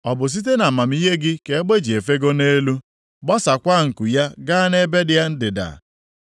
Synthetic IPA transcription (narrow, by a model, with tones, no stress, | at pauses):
ɔ˨bʊ˨s̬i˦t̬e˦na˨ma˨m̩˦i˦ɦe˦ɡɪ˦ke˨e˦ɡ͡be˦d͡ʒi˨e˨fe˦ɡo˦ne˦lu˦ | ɡ͡bɔ˦sa˨kʷa˦˨ŋ̩˨ku˨ja˦ɡa˦ne˦be˦dɪja˦n̩˦dɪ˨da̰˨